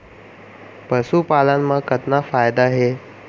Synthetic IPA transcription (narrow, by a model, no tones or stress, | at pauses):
pəsupalanməkət̪nafajd̪aɦe